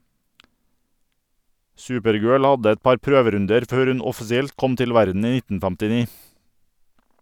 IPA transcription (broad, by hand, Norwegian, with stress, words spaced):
ˈsʉːpəɾˌɡøːɭ ˈɑdə ˈɛt ˈpɑɾ ˈpɾøːʋəˌɾʉndəɾ ˈføːɾ ˈʉn ɔfɪsɪˈɛlt ˈkɔm ˈtɪl ˈʋæɾdn̩ ˈiː ˈnɪtn̩ fɛmtɪˈniː